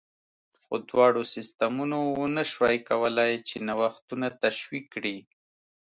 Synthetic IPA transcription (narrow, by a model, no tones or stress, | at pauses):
xod̪wɑɽosɪst̪amunowənəʃwɑjkawəlajt͡ʃenawaxt̪unat̪aʃwikːɽi